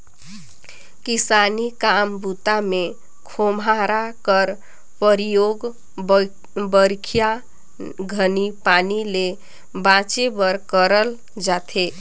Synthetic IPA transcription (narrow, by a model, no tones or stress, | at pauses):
kisanikambut̪ame | kʰomaɾakəɾ | pəɾijoɡ | bəɾkʰija | ɡʱənipanile | bãt͡ʃebəɾkəɾəl | d͡ʒat̪ʰe